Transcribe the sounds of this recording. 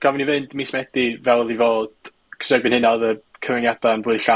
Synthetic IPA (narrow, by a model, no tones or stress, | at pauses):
ɡ̥avnivɨndmismɛd̥ivɛlˠðivoːd̥ | kʰsɛbɨnhɪnaðəkʰəvɪnjad̥anvʊɨɬa